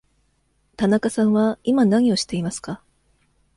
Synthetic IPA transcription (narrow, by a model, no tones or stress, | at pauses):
t̪anakasãɰ̃βaimanaɲ̟io̞ɕi̥t̪e̞imasɨ̥ka